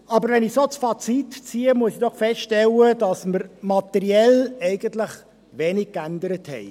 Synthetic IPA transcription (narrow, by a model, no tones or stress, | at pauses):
ɑbəɾʋɛnɪsot͡sfɑt͡sitt͡siːəmuəsid̥ɔχfɛstʃtɛlədɑsməɾmɑtɛɾiɛlɛɪɡ̥əntləχ | ʋeːnɪɡ̚kænd̪əɾəthɛ̰ɪ